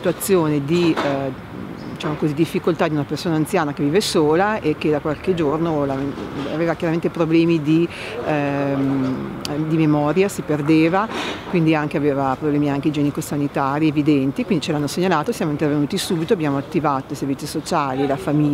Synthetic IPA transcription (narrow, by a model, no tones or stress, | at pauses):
it̪uat̪sːjoːned̪i | d̪it͡ʃaːmokozid̪ifːikolt̪ad̪iunapersoːnaːnt̪sjaːnakevːiːvesoːlaekːed̪akwalked͡ʒornolamea̰veːvakjaɾament̪epɾoblɛːmid̪i | d̪imemɔːɾjasiperd̪eːvakwind̪iaŋkeaveːvapɾoblɛːmiaŋked̪id͡ʒɛːnikosanit̪aːɾievid̪ɛnt̪ikwind̪it͡ʃelanːoseɲːalaːt̪osjaːmoint̪ervenuːt̪isuːbit̪oabjaːmoat̪ːivaːt̪oiservit̪sːisot͡ʃaːlilafami